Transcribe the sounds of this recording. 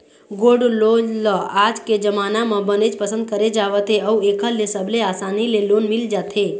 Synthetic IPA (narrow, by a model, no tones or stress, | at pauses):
ɡoːɖlolɔaːd͡ʒked͡ʒəmaːnamẽbəned͡ʒpəsə̃nd̪̚kəɾed͡ʒaːʋət̪ɦeəueːkʰəlesəbʱleaːsaːnileloːnmɪld͡ʒaːt̪ɦe